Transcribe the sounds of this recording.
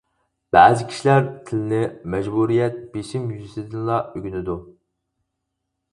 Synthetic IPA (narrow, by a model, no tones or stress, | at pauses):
b̥æzɪkʲʰi̥ʃilæɾt̪ʰɪlɪnɪmɛʒbuɾijɛt̪̚beʃimjyzɪsɪd̪ɪnlˠɑʔøɡʲynɪd̪u